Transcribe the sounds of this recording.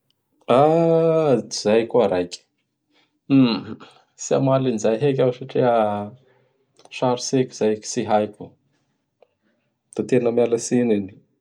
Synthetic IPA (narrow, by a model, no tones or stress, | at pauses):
a | zajkuaɾajkʲi̥ | sia̰malinizajɦek̬ʲawsaʈ͡ʂiə | ʃaɾisekʲiz̥ajki̥siɦajku | d̪̥at̪enəmaləsinini̥